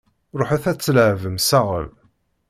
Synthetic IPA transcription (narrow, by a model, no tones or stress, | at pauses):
ɾˤoħaθæt͡sːələʕvəmsæʁə̰l